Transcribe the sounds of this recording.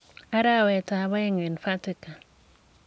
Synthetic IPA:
a˦ɾa˦˨wɛ˨ta˨βa˦ɪ˦ŋwɪ˨nfa˦tɪ˨ka˨

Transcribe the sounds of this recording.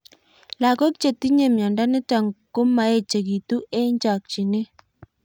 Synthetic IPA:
la˨kɔ˦kt͡ʃe˨ti˦ɲe˨mja˨nda˦nɪ˦ta˨ŋko˦ma˨˦e˦˨t͡ʃe˨ki˨tu˦ʔe˦ɲd͡ʒa˨k̚t͡ʃi˨ne˦

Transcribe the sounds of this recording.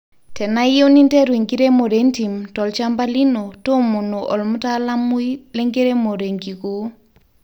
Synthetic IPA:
tɛ˨na˦jo˦ni˦ntɛ˦ɾwe˨ŋɡi˦ɾe˦mo˨ɾe˦nti˨mtɔ˨lt͡ʃa˦mba˦li˦no˨to˦mo˨no˨ʔɔ˨lmu˦ta˦la˦mu˦ilɛ˦ŋɡe˦ɾe˦mo˨ɾe˨ŋɡi˨ko˨

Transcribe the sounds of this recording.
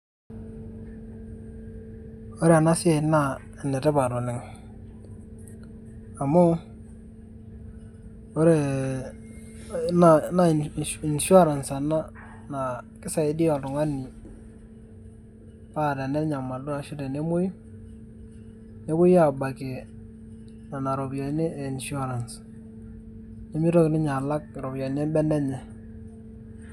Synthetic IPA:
o˦ɾe˦a˨na˦sɪ˦e˦˨na˦˨ | ɛ˨nɛ˨tɛ˦ba˨ɾo˨nɪ˨ŋ | a˨mo˦ | o˦ɾe˦˨ | na˨˦na˦ɪ˨nʃu˦a˦ɾa˨nsa˨na˦ | na˨kɪ˦sa˨ɪ˨˦di˦ɔ˨tʊ˨ŋa˦ni˨ | pa˦˨dɛ˨nɛ˦ɲa˨ma˨dʊ˦a˨ʃʊ˦ɾɛ˨ne˦mʊ˦j | ɲe˦kʊ˦ja˦˨ba˨ke˨ | na˨na˨ɾo˨bjɔ˨˦ne˦e˨i˨nʃu˦a˦ɾa˨ns | ɲe˦mi˦ɾo˦knɪ˦ɲa˨la˦k̚ɾo˨bjɔ˨n˦ɛ˦bɛ˦nɛ˦ɲɛ˨

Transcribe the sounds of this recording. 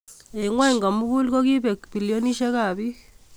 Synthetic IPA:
e˨ŋwa˦i˨ŋɡa˨mu˦ku˦lko˦ki˦pɛ˨kbi˨lijo˦ni˦ʃe˦ka˨βi˦

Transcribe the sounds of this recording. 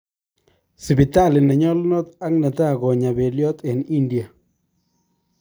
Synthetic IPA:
si˨bi˨t̪a˦˨lɪ˨nɛ˨ɲɔ˦lnɔ˦t̪a˦ŋna˨t̪a˦˨ɡɔ˨ɲa˨be˨ljɔ˦t̪e˨ni˦ndi˨a˨

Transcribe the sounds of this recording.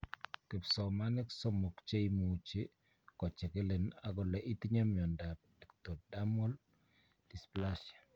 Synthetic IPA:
ke˨psɔ˨ma˦nɛ˦kso˦mo˨kt͡ʃe˦i˦mo˨t͡ʃe˦ | kɔ˨t͡ʃe˨ke˦le˨na˨ɡɔ˨lɛ˨ʔi˦t̪iɲa˦mjɔ˨nda˨pdɛ˨ktɔ˨da˦mɔ˦l | di˨spla˦ʃḁ˨

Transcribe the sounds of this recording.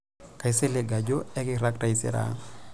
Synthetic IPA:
ka˨i˦se˦le˨ɡa˨d͡ʒo˦ɛ˦kɪ˦ɾa˦kta˨i˨sɪ̰˦ɾa̰

